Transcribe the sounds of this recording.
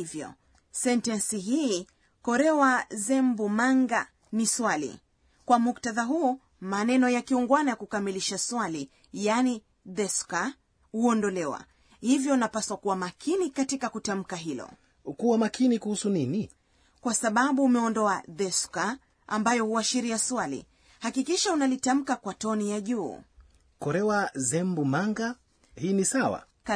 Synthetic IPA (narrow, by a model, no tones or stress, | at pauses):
vjɔ̰ | sɛntansiɦiː | kɔɾɛwazɛmbumaŋɡa | niswalḭ | kwamuktaðaɦuː | manɛnɔjakiuŋɡwanajakukamiliʃaswali | jani | ðɛska | huɔndɔlɛwa̰ | hivjɔunapaswakuwamakʰinikatikakutam̩kaɦilɔ̰ | kuwamakʰinikuhusunini | kwasaɓaɓuːmɛɔndɔaðɛska | ʔa̰mbajɔhuaʃiɾiaswalḭ | hakikiʃaunalitam̩kakwatɔnijaʄuː | kɔɾɛwazɛmbumaŋɡa | hiːnisawa̰